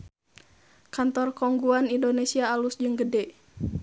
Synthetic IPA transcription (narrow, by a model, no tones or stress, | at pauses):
kant̪ɔrkɔŋɡuanindonesiaːlusd͡ʒɨŋɡədɛ